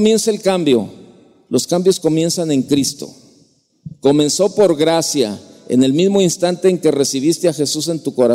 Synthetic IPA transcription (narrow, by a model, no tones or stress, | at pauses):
mje̞nsaelkambjo̞̰ | lo̞skambjo̞sko̞mje̞nsanẽ̞ŋkɾist̪o̞̰ | ko̞mẽ̞nso̞po̞ɾɣɾasja̰ḛne̞lmizmo̞inst̪ant̪e̞ːŋke̞re̞siβ̞ist̪eaxe̞sus̬e̞nt̪uko̞ɾa